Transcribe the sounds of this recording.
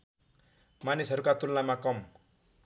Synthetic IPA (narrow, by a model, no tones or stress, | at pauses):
manisɦʌɾukat̪ulnamakɔm